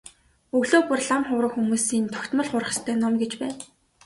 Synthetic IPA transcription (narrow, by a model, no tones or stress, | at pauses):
ɵɣɮoːpʊrɮamχʊwrə̆xumuːsiːnt̪ʰɔ̥xʲt̪mə̆ɮχʊrə̆ə̆st̪ʰœːnɔmɡet͡ɕpæːn